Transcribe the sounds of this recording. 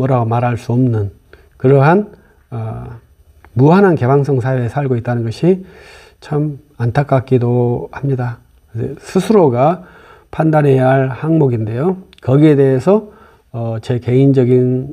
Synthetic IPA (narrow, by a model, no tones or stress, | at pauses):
mʌɾaɡomaɾɦaɭs͈uʌmnɯn | kɯɾʌɦan | ʌ | muɦanɦanke̞baŋs̬͈ʰʌŋsʰaeesʰaɭɡoit̚t͈anɯnɡʌɕʰi | t͡ɕʰam | antʰak͈ak̚k͈idohamɲida | kdḛsʰusʰuɾoɡa | pʰandanɦe̞jɦaɭhaŋmoɡinde̞jo | kʌɡie̞de̞esʰʌ | ʌt͡ɕe̞ke̞ind͡ʑʌɡin